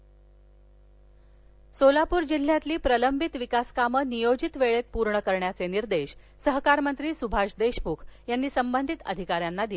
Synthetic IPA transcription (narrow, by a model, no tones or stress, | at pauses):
solapuːɾd͡ʑil̤ːjat̪liːpɾələmbʱit̪ʋikaskamənijod͡ʑit̪ʋeɭet̪̚puɾɳəkəɾɳjat͡seniɾd̪eɕ | səɦkaɾmənt̪ɾiːsubʱaɕd̪eɕmukʰjanːiːsəmbənd̪ʱit̪ə̰d̪ʱikaɾjanːad̪ie